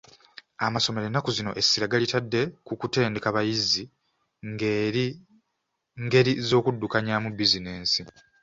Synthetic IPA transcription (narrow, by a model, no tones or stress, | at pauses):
amaso̞me̞ɾenːakuzino̞̰ʔe̞siɾaɡalitadːe̞kukute̞ːnde̞kaβajizi | ŋɡe̞ɾizo̞ːkudːukaɲamubizine̞ːnsi